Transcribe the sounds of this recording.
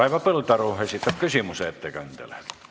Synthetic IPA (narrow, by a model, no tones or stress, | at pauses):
ɑiʋɑpelt̪ɑruːhesit̪ːæpkysimuseet̪ːekænt̪ḛle̥